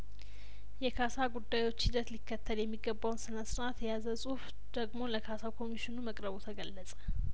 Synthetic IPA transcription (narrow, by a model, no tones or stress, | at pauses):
jɛkʰasaɡud̪ːajwo̞t͡ʃːhid̪ət̪likːət̪ʰːəljɛmːiɡːəbːawnsɨnəsɾat̪jɛjazəsʼuhf | d̪̥əɡmo̞ləkʰasakʰo̞miʃɪnuməkʼɾəβot̪ʰəɡəlːəsʼə̥